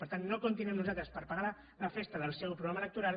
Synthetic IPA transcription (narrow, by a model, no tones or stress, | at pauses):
pəɾt̪anːokunt̪̬inuɛmnuzat̪ɾəspəɾpaɣa | ləfest̪əðəlˠsɛwpɾuɣɾamələk̚t̪uɾal